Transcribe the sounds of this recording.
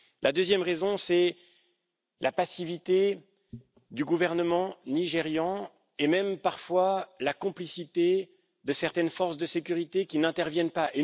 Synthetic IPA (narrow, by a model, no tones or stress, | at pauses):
lʔad̪øzjɛmʁezɔ̃sɛ | lʔapasivit̪e | d̪yɡuvɛʁnəmɑ̃niʒeʁjɑ̃ | emɛmpaʁfwalakɔ̃plisit̪e | d̪əsɛʁt̪ɛnfɔʁsd̪əsekʲyʁit̪ekʲinɛ̃t̪ɛʁvjɛnpaʔe